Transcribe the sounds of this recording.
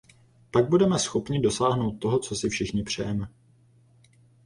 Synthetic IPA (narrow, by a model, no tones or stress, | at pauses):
paɡ̚budɛmɛsxo̞pɲɪdo̞saːɦno̞wt̪̚ːoɦo̞t͡so̞sɪfʃɪxɲɪpr̝̥ɛjɛmɛ